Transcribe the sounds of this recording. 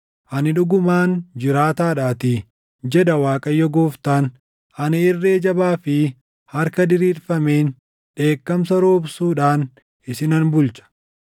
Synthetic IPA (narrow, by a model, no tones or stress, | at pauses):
ʔɐnɪᶑʊɡʊmaːnd͡ʒɪɾaːt̪aːᶑaːt̪ɪ | d͡ʒɛd̪ɐwaːkʼɐjːɔɡoːft̪aːn | ʔɐnɪɪrːe̞ːd͡ʒɐbaːfɪ | hɐɾkɐd̪ɪɾiːɾfɐme̞ːn | ᶑe̞ːkːɐmsɐɾo̞ːbsuːᶑaːn | ʔɪsɪnɐnbʊlt͡ʃɐ̥